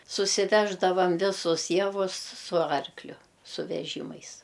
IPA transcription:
sʊsʲɪˈʋʲæːʒdɐʋɐm ˈʋʲɪsʊs ˈjæːʋʊs sʊ ˈɐrklʲʊ sʊ ʋʲɛˈʒʲiːmɐɪs

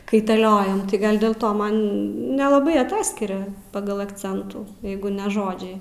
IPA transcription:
kɐɪtɐˈlʲoːjɛm tɐɪ ˈɡɐlˠ dʲeːlˠ ˈtoː ˈmɐn nʲɛlˠɐˈbɐɪ ɐˈtɑːsʲkʲɪrʲɛ ˈpɑːɡɐlˠ ɐkˈt͡sʲɛntuː ˈjɛɪɡʊ nʲɛ ˈʒoːd͡ʒʲɛɪ

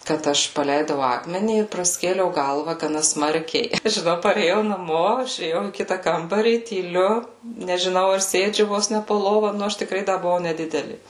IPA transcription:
kɐt ˈɐʃ pɐˈlʲɛɪdɐʊ ˈɑːkmʲɛnʲiː ɪr prɐˈsʲkʲeːlʲɛʊ ˈɡɐlˠʋɐ ɡɐˈnɐ ˈsmɐrʲkʲɛɪ ɪ ʒʲɪˈnɐʊ pɐrʲeːˈjɛʊ nɐˈmoː ɪʃʲeːˈjɛʊ iː ˈkʲɪtɐ ˈkɐmbɐrʲiː tʲiːˈlʲʊ nʲɛʒʲɪˈnɐʊ ɐr ˈsʲeːd͡ʒʲʊ ˈʋoːs nʲɛ poː ˈlˠoːʋɐ ˈnʊ ˈɐʃ tʲɪkˈrɐɪ ˈdɐ bʊˈʋɐʊ nʲɛˈdʲɪdʲɛlʲɪ

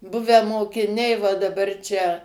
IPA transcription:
ˈbʊʋʲæː moːkʲɪˈnʲɛɪ ʋɐ dɐˈbɐr ˈt͡ʃʲɛ

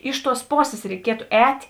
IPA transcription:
ˈɪʃ ˌtuɔs ˈpoːsʲeːs rʲɛɪˈkʲiɛtʊ ˈɛːtʲ

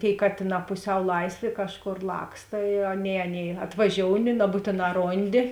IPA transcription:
tʲeːɪ ˈkɑːtʲeːˌnɑː pʊˈsʲɛʊ ˈlˠɐɪsʲˌʋʲeː ˈkɑːʃˌkoːr ˈlˠɑːkstɐ ɪ ˈɑːˌnʲeːɪ ˈɑːˌnʲeːɪ ɐtʋɐˈʒʲoːʊnʲɪ nɐˈbuːtʲeːˌnɑː ˈroːnʲˌdʲɪ

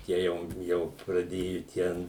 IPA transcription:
ˈtʲiɛ jɛʊ ˈjɛʊ prɐˈdʲeːjʊ ˈtʲɛn

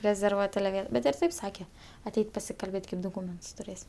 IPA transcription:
rʲɛzʲɛrˈʋuɔtʲ ˈbʲɛt ɪr ˈtɐɪp ˈsɑːkʲɛ ɐˈtʲɛɪtʲ pɐsʲɪkɐlʲˈbʲeːtʲ kɐɪp doːˈkuːmʲɛntʊs tʊˈrʲeːsʲ

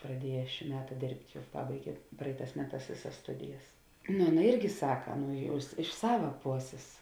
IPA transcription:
prɐˈdʲiɛjɛ ʃʲiː ˈmʲæːtɐ ˈdʲeːrʲpʲtʲ ˈjɛʊ ˈpɑːbɐɪɡʲeː ˈprɐɪˌtɑːs ˈmʲæːˌtɑːs ˈʋʲeːˌsɐs ˈstʊdʲɪjɛs nʊ ˈɑːˌnɐ ˈɪrʲɡʲɪ ˈsɑːkɐ ˈnʊ ˈjɛʊ ɪs ɪʃ ˈsɑːʋɐ ˈpoːsʲeːs

